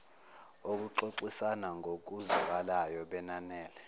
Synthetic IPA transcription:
ok̬uǃoǀisanaŋʱok̬uzukalajɔɓɛnanɛːlɛ

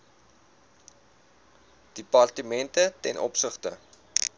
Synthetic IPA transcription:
d̥ipɐrtəmɛntətɛnʔɔ̰psəχtə̰

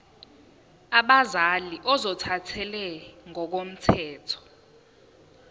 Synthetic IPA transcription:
aɓazaliʔɔzɔtʰatʰɛlɛŋʱɔk̬om̩tʰɛːtʰɔ̥

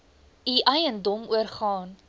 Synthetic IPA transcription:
iʔɐjəndɔmuərχɑːn

